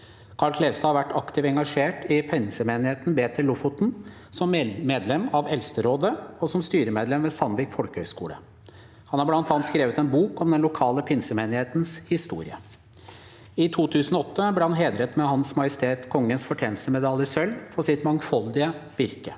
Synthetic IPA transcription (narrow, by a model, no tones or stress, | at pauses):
kʰɑɭkʰleːʋst̪ɑːhɑɾʋæʈːɑkt̪ɪʋɛŋɡɑʂeːʈɪpʰɛnsəmeːnɪheːt̪n̩beːt̪ʰəɭʊfʊt̪n̩ | sɔmmeːd̪lɛmɑʋɛlst̪əɾoːd̪əɔsɔmst̪yːɾəmeːd̪lɛmʋeːsɑnʋɪkfɔlkəhœʏskṵːlə̰ | hɑnhɑɾblɑnt̪ɑːnt̪skɾeːʋət̪ɛnbuːkɔmd̪ɛnlʊkʰɑːləpʰɪnsəmeːnɪheːt̪nshɪst̪ṵːɾɪ̰ə̰ | ɪt̪ʰuːt̪ʰʉːsən̩ɔɔt̪ːəbleːhɑnɦeːd̪ɾət̪mɛhɑnsmɑjəst̪ʰeːt̪kʰɔŋːənsfɔʈʰjɛːnl̩st̪əmɛd̪ɑljəsœlfɔsɪt̪mɑŋfɔld̪ɪə | ʋɪɾkə